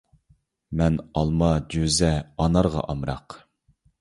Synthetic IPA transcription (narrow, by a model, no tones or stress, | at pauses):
mɛnɑlˠmɑd͡ʒøzɛɑnɑɾʁɑ̰ʔɑmɾɑ̰q